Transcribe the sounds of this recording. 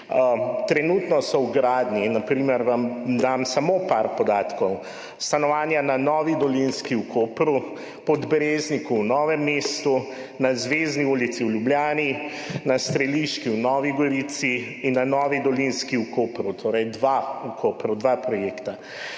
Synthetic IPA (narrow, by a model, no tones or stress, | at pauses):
t̪ɾɛnut̪nɔsɔwɡɾaːd̪ninapɾiːməɾʋamd̪amsamopaɾpɔd̪aːt̪kɔw | st̪anɔʋaːnjananɔʋid̪ɔlinskiukʰoːpɾu | pɔd̪bɾeznikuwnɔːʋɛmːest̪u | nazʋezniuːlit̪siwlʲjubljaːni | nast̪ɾɛliʃkiwnɔːʋiɡɔɾit̪si | inːanɔːʋid̪ɔlinskiukoːpɾut̪ʰoːɾɛjd̪ʋaukʰopɾud̪ʋapɾɔjeːkt̪a